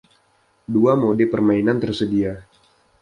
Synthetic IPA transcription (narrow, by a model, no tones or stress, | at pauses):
duamodepərmainant̪ərsədia